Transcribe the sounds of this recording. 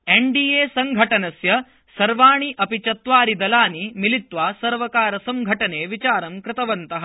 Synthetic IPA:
eɳɖiːeːsɐŋɡʱɐʈɐnɐsjɐ | sɐɾʋaːɳiʔɐpit͡ʃɐt̪ʋaːɾid̪ɐlaːnimilit̪ʋaːsɐɾʋɐkaːɾɐsɐmɡʱɐʈɐneːʋit͡ʃaːɾɐmkɾɪt̪ɐʋɐnt̪ɐɦɐ

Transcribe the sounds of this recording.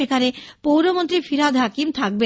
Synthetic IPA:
ekʰaɾepowɾomont̪ɾifiɾad̪ʱɦakimt̪ʰak̚be

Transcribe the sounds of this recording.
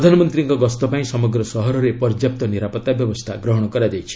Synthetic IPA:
ɾd̪ʱanɔmɔnt̪ɾiŋkɔɡɔst̪ɔpaĩsɔmɔɡɾɔsɔɦɔɾɔɾepɔɾd͡ʒjap̚t̪ɔniɾapɔt̪abjɔbɔst̪ʰaɡɾɔɦɔɽ̃ɔkɔɾad͡ʒajt͡ʃʰi̥

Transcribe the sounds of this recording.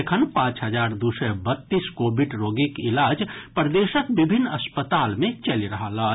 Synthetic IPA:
ekʰənpãt͡ʃɦəd͡ʒaɾd̪usəbət̪ːiskobʱiɖɾoɡikilad͡ʒpɾd̪esəkbibʱinːəspət̪almẽt͡ʃəliɾəɦələ

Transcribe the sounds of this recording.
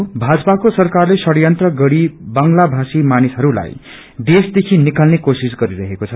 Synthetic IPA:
bʱad͡zʌpakosʌrkarlesʌɽjʌnt̪rʌɡʌɽibʌŋɡlabʱasimanisɦʌɾula̰j | d̪esd̪ekʰinikalnekosisɡʌɾiɾʌɦekot͡sʰʌ

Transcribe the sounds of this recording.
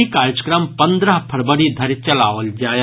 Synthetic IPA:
ikaːɾəd͡ʒəkɾəmpɐ̃nd̪ɾəɦpʰɐɾbəɽid̪ʱɐɾt͡ʃɐlaːʋəld͡ʒaːe

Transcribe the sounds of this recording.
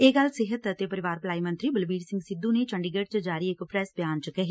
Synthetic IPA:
eːɡəlsɪɦət̪ət̪epəɾɪʋaːɾplaːimə̃nt̪ɾiːbəlbiːɾsɪ̃ŋɡsɪd̪ːunet͡ʃəɳɖiɡəʈt͡ʃd͡ʒaːɾiekpʰɾɛːsbjaːnt͡ʃkɛɦiː

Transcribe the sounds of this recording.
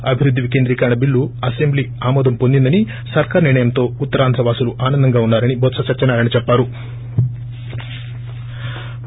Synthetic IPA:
ɐbʱiɾud̪ʱːiʋike̞ːnd̪ɾiːkɐɾɐɳɐbiɭːuɐsembliː | aːmɔːd̪ɐmpond̪ind̪ɐni | sɐɾkaːɾɐniɾɳɐjɐmt̪o̞ːut̪ːɐɾaːnd̪ɾɐʋaːsuluʔaːnɐnd̪ɐŋɡaːunːaːɾɐnibʱɔt̪sɐt͡ʃɐɾt͡ʃɐnaːɾɐnit͡ʃɛpːaːɾu

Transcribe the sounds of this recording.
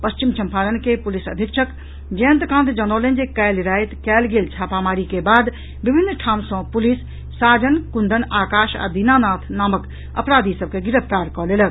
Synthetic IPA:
pəst͡ʃimt͡ʃʰəmpʰaːɾənkepulisə̰d̪ʱjəkʃʰək | d͡ʒent̪kãːnt̪d͡ʒənolend͡ʒekɛːlɾaːjt̪kɛːlɡeːlt͡ʃʰaːpamaːɾikebaːd̪ | bibʱinːʈʰaːmsɔ̃pulisː | aːd͡ʒənkund̪ʱənaːkaːʃa̰d̪inanaːt̪ʰnaːmək | ə̰pɾaːd̪ʱisəb̚keɡiɾəpt̪aːɾkɔːleːlə

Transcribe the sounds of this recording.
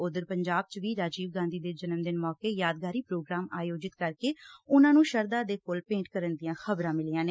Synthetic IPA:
ʊd̪əɾpəɲd͡ʒaːb̚t͡ʃʋiːɾaːd͡ʒiːʋɡãːnd̪iːd̪eːd͡ʒənəmd̪ɪnmɔːkeːjaːd̪̚ɡaːɾiːpɾoːɡɾaːmaːjoːd͡ʒɪt̪kəɾkeːʊnãːnũːʃəɾd̪aːd̪eːkoːlpẽːɳʈkəɾənd̪ijãːxəbɾãːmɪliːãːneː

